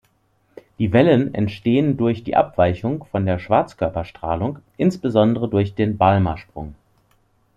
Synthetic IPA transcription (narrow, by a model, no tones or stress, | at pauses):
d̥iːvɛlənɛ̰ntʃteːəndʊɐçd̥ḭːʔa̰pv̥aɪçʊŋfɔndeːɐʃv̥aɐt͡skʰœɐpɐʃtʁ̥a̰ːlʊŋkʔɪnsb̥əzɔndəʁədʊɐçd̥eːnbalmɐʃpʁ̥ʊ̰ŋ